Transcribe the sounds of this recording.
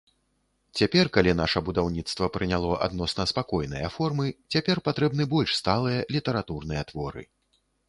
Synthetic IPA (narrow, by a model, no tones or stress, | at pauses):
t͡sʲapʲɛrkalʲin̪aʂɐbud̪awnʲit̪st̪vɐpɾɨnʲalˠɔʔa̰d̪nɔsnɐspakɔjnɨ̰jɐ̰fɔrmɨt͡sʲapʲɛrpat̪ɾɛbnɨbɔlʲʂst̪alˠɨjɐlʲit̪ɐɾat̪urnɨjɐt̪vɔɾɨ̰